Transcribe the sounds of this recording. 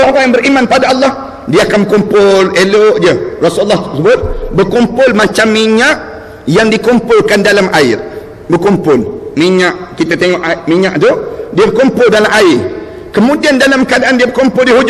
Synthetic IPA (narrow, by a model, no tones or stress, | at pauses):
ɾajaŋbəɾimãnpadaalːɑh | diaakanmbəkumpʊleloʔd͡ʒiərasullːɑht̪əsəbʊt̪̚bərkumpʊlmat͡ʃamːiɲaʔ | jaŋdikumpʊlkandalamʔaɪr | bərkumpʊlmiɲaʔkit̪at̪eŋɔʔmiɲaʔt̪udiabərkumpʊldalamʔaɪr | kəmũdiandalaməkadaʔandiabəkumpʊldiɦud͡ʒ